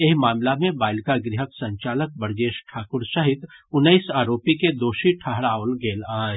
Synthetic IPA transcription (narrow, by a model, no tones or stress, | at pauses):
eɦmaːmlamẽbaːɪlkaɡɾɪɦəksɐ̃ɲt͡ʃaːlək̚bəɾd͡ʒeːʃʈʰaːkʊɾʃɐɦɪt̪ʊnːəisaːɾoːpiked̪oːʃiʈʰɐɦɽaːʋəlɡeːlaː